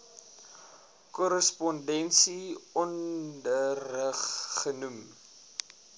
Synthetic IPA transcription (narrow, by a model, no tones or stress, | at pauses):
kɔɾəspɔndɛnsiɔndərəχːənum